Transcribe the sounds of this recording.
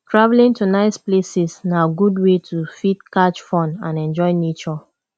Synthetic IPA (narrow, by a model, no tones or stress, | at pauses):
tʰɹavlĩntunaɪsplesisnaɡudwetʰufitkat͡ʃfɔ̃nã̰nɛ̃nd͡ʒɔɪnet͡ʃɔ